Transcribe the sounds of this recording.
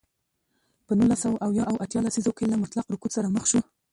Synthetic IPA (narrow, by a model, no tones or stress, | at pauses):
pənulasawʔawjɑʔawʔat̪jɑlasizokelamʊt̪lɑqɾʊkut̪saɾaməxʃu